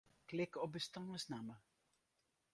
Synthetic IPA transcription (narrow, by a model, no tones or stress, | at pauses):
klɪkɔp̚bəstɑŋəsnamə